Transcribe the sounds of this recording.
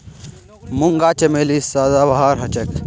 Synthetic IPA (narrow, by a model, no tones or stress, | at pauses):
mʊŋɡaːt͡ʃemeːlisaːd̪aːbɐɦaːɾɦɐt͡ʃɐk